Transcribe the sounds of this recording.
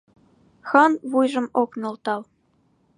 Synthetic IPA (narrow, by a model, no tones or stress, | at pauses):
xɑnβujʒɤ̆moknŏlt̪ɑl